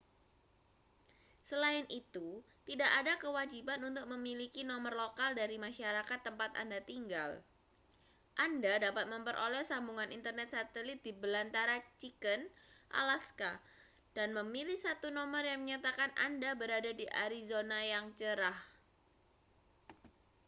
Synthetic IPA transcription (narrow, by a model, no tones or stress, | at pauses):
səlaɪnʔit̪u | t̪idaʔadakəwad͡ʒibanunt̪ʊk̚məmilikinɔmərlokaldaɾimaʃaɾakat̪ːəmpat̪a̰ndat̪iŋɡa̰l | ʔandadapat̪̚məmpərʔo̰lɛhsambuŋanint̪ərnɛt̪̚sat̪əlɪt̪̚dibəlant̪aɾat͡ʃikənʔa̰laska | d̥anməmilihsat̪unomərjaŋməɲat̪akana̰ndabəɾadadiʔa̰ɾizonajaŋt͡ʃəɾah